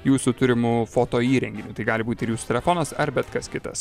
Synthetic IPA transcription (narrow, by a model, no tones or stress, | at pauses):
juːsʊt̪ʊɾʲɪmʊfoːt̪oːiːɾʲɛŋʲɡʲɪnʲʊt̪ɐɪɡɑːlʲɪbuːt̪ʲɪɾjuːsʊ̥t̪ʲɛlʲɛfoːnɐsɐɾbʲɛt̪kɐskʲɪt̪ɐ̰s